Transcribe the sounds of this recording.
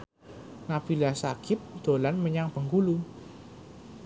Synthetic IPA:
napilasakɪp̚d̪̥o̤lanməɲaŋpəŋɡulu

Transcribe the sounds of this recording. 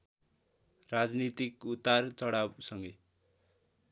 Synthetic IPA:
rad͡znit̪ikut̪ːart͡sʌɽawsʌŋɡʌ

